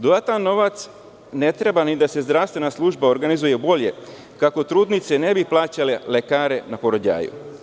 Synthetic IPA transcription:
d̪od̪at̪annːo̞ʋat̪s | ne̞t̪ɾe̞banid̪ase̞zd̪ɾaʋst̪ʋe̞naslˠuːʒbao̞ɾɡanizuje̞bo̞ʎe̞ | kako̞t̪ɾuːd̪nit̪se̞ne̞biplˠaːt͡ɕalele̞kaːɾe̞napoɾo̞d͡ʑa̰ːjṵ

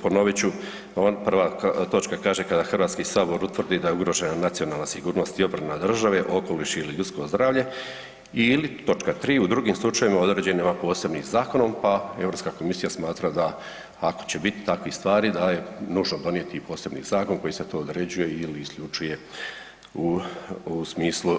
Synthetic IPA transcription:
po̞no̞ʋit͡ɕu | onpr̩ʋat̪o̞t͡ʃkakaːʒe̞kad̪axrʋaːt̪skisaːbo̞ɾut̪ʋr̩d̪id̪ajeuɡɾo̞ʒe̞nanat̪sio̞naːlnasiɡuːɾno̞st̪io̞bɾanad̪r̩ʒaʋe̞ʔo̞ko̞liʃiliʎut̪sko̞zd̪ɾaːʋʎe̞ | ilit̪o̞t͡ʃkat̪ɾiːud̪ɾuɡimslˠut͡ʃajʋimao̞d̪ɾe̞ːd͡ʑenemapo̞ːse̞bnizaːko̞no̞mpaevɾopskako̞misijasmaːt̪ɾad̪aː | ko̞̥t͡ɕe̞bit̪i̥t̪akʋist̪ʋaːɾid̪aje̞nuːʒnod̪o̞nije̞t̪ipo̞ːse̞bnḭzaːko̞nko̞jiset̪o̞ːd̪ɾe̞d͡ʑuje̞iliːsklʎut͡ʃuje̞ | uusmiːslˠu

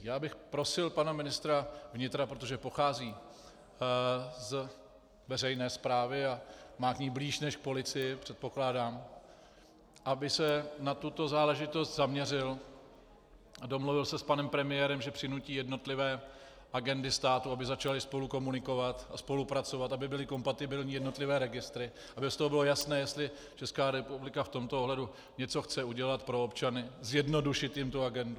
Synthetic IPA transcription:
jaːbɪxpɾo̞sɪlpanamɪnɪst̪ɾavɲɪt̪ɾapɾot̪o̞ʒɛpo̞xaːziː | z | vɛrɛjnɛːspɾaːvɪamaːkɲiːbliːʃnɛʃk̚po̞lɪt͡sɪjɪpr̝̥ɛt̪̚po̞klaːdaːm | ʔabɪsɛnat̪ut̪o̞zaːlɛʒɪt̪o̞st̪zamɲɛrɪl | ado̞mluvɪlsɛspanɛmpɾɛmɪjɛːɾɛmʒɛpr̥ɪnuciːjɛdno̞t̪lɪvɛː | ʔaɡɛndɪst̪aːt̪uabɪzat͡ʃalɪspo̞luko̞munɪko̞vat̪aspo̞lupɾat͡so̞vat̪abɪbɪlɪko̞mpat̪ɪbɪlɲijɛdno̞t̪lɪvɛːɾɛɡɪst̪ɾɪ | ʔabɪst̪oɦobɪlojasnɛːjɛst̪lɪ | t͡ʃɛskaːɾɛpublɪkaft̪o̞mt̪ooɦlɛdu | ɲɛt͡soxt͡sɛuɟɛlat̪pɾo̞opt͡ʃanɪzjɛdno̞duʃɪt̪jɪmt̪uaɡɛndu

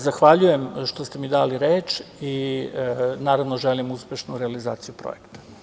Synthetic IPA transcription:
zaxʋaʎuje̞mʃt̪ost̪emid̪aːliɾeːt͡ʃi | naːɾaʋnoʒelimuspʲeʃnuɾealizaːt̪sijupɾo̰je̞kt̪ḁ

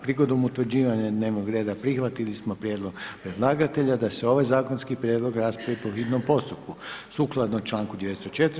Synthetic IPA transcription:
pɾiɡo̞d̪omut̪ʋr̩d͡ʑiːʋaɲad̪ne̞ːʋnoɡɾeːd̪apɾixʋat̪ilismo̞pɾjeːd̪lˠo̞ɡpɾed̪lˠaːɡat̪e̞ʎad̪aseo̞ʋajzaːkonskipɾjed̪lo̞ɡɾaːspɾaʋipo̞xit̪nompo̞st̪upkusuklˠad̪not͡ʃlˠaːŋkud̪jeest̪ot͡ʃet̪

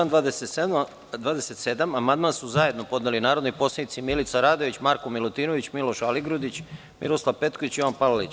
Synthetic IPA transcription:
and̪ʋaːd̪esee | d̪ʋaːd̪eset̪sed̪amamand̪mansuzaje̞d̪no̞po̞d̪nelinaːɾo̞d̪nojpo̞slˠanit̪imilit̪saɾaːd̪o̞ʋit͡ɕmaɾkomilˠut̪iːnoʋit͡ɕmilo̞ʃaliɡɾud̪it͡ɕ | mḭɾoslˠaʋpe̞t̪koʋit͡ɕjoʋanpalalit͡ɕ

